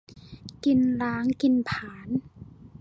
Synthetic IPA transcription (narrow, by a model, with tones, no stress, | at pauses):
ki˧nlaː˨˦˥ŋki˧npʰaː˩˦n